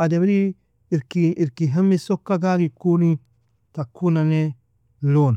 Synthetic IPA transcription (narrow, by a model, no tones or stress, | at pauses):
adebiɾi | ɾkiiɾkiɦemːisokːaɡaɡikunĩ | takːunane | lon